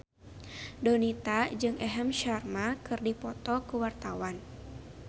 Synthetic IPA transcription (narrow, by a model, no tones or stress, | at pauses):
donit̪ad͡ʒɨŋɛɦɛmʃarmakɨrdipɔt̪ɔkəwart̪awan